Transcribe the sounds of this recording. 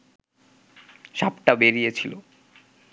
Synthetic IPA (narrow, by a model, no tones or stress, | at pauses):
ʃapʈabeɾijet͡ɕʰilo